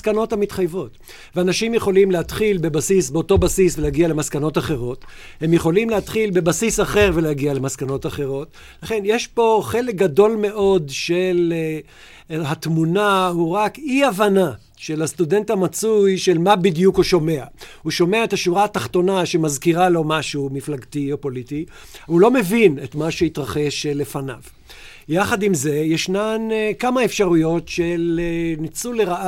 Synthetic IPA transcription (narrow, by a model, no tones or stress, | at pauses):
skano̞thamit̪χajvo̞t | veanaʃimjeχo̞limlehat̪χilbe̞basisbeo̞to̞basisveleaɡiale̞maskano̞taχe̞ʁo̞t | he̞mjeχo̞limleat̪χilbe̞basisaχe̞ʁve̞leaɡialemaskano̞taχe̞ʁo̞t | laχe̞njeʃpo̞χe̞lek̚ɡado̞lme̞ʔo̞dʃel | ɦat̪munahuʁakiavana | ʃe̞last̪ude̞nt̪hamat͡sujʃe̞lmabidjukhuʃo̞me̞ahuʃo̞me̞aethaʃuʁaːtaχt̪o̞naʃemazkiʁalo̞maʃumiflaɡt̪io̞po̞liti | ulo̞me̞vinet̪maʃeit̪ʁaχe̞ʃle̞fana̰v | jaχadimze̞jeʃnankamaefʃaʁujo̞tʃelenit͡suleʁa